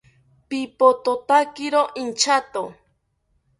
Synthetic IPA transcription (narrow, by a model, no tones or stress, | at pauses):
pipot̪ot̪akiɾoʔint͡ʃat̪o